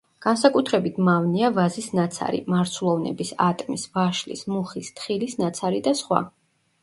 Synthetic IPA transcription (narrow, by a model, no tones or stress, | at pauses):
ɡ̥ansakʼut̪ʰɾɛbit̪ʰmavniavazisnat̪sʰa̰ɾḭmaɾt̪sʰulˠɔvnɛ̰bisat̪ʼmisvaʃlḭsmuχist̪ʰʼχilisnat̪sʰaɾid̪asχwa̰